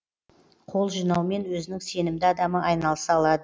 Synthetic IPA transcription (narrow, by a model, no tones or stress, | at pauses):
qʰo̞lˠʒijnɑwme̞nwɵzɪnɪŋse̞nɪmd̪ɪɑd̪ɑməʔɑjnɑlˠəsɑɑlˠɑd̪ə